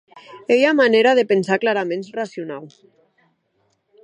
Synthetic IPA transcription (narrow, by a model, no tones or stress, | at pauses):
ejamaneɾaðepensaklaɾamẽnsrasiunaw